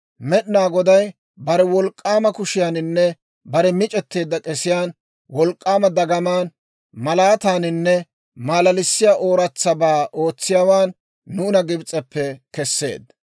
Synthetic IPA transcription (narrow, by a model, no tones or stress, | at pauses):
mɛɗɪnaːɡɔd̪ɐj | bɐɾɛwɔlkʼːaːmɐkʊʃɪjaːnɪnːɛ | bɐɾɛmɪt͡ʃʼɛt̪ːe̞ːd̪ːɐkʼɛsɪjaːn | wɔlkʼːaːmɐd̪ɐɡɐmaːn | mɐlaːt̪aːnɪnːɛ | maːlɐlɪsːɪjaːʔoːɾɐt͡sːɐbaːʔo̞ːt͡sːɪjaːwaːnː | uːnɐɡɪbt͡sʼːɛpːɛkɛsːe̞̰ːd̪